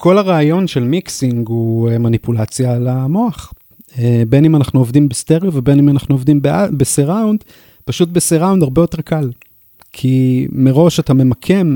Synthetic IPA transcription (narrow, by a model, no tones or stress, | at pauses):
kʰo̞laʁaːjo̞nʃe̞lmiksiŋɡuemanipulat͡sjalamo̞aχ | ebenimanaχnuovdimbesteʁjovebe̞nimanaχnuovdimbeabeseʁaund | paʃut̚beseʁaundaʁbejo̞te̞ʁkʰal | kʰimeʁo̞ʃatame̞makʰe̞m